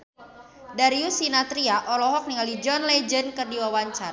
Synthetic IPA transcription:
daɾiusinat̪ɾiaʔɔlɔɦɔk̚niŋalid͡ʒɔnlɛd͡ʒənkərdiwawaɲt͡ʃar

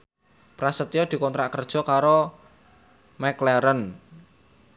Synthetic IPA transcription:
pɾasət̪ijɔd̪̥i̤kɔnt̪ɾaʔkərd̥ʒ̥ɔ̤kaɾo | mɛklɛɾən

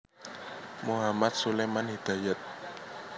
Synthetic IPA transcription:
muɦamat̪̚sulemanɦid̪̥a̤jat̪̚

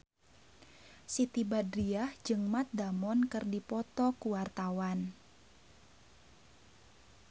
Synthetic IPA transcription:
sit̪ibadɾiahd͡ʒɨŋmat̪̚damɔnkɨrdipɔt̪ɔkuwart̪awan

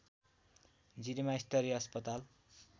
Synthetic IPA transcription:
d͡ziɾimaist̪ʌɾiʌspʌt̪al

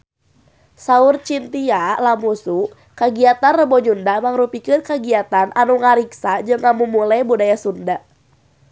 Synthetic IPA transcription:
saurt͡ʃint̪ialamusu | kaɡiat̪anrəbɔɲundamaŋɾupikɨnkaɡiat̪anʔanuŋaɾiksad͡ʒɨŋamumulajbudajasunda

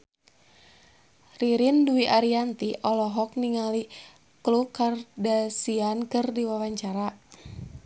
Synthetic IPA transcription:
riɾinduiʔaɾiant̪iʔɔlɔɦɔk̚niŋali | klukardasiankɨrdiwawaɲt͡ʃaɾa

